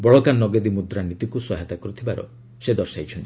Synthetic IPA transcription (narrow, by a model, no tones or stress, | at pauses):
bɔɭɔkanːɔɡed̪imud̪ɾanit̪ikusɔɦat̪akɔɾut̪ʰibaɾɔ̰ | sed̪ɔɾsajt͡ʃʰɔnt̪i